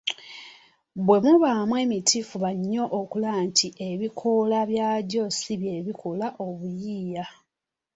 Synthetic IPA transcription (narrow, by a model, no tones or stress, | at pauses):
bwe̞muβamwe̞ːmitʰifuβaɲːo̞ʔːkulaːntʰiʔe̞βikʰolaβjaːɟo̞siβje̞βikʰolaʔo̞βujiːja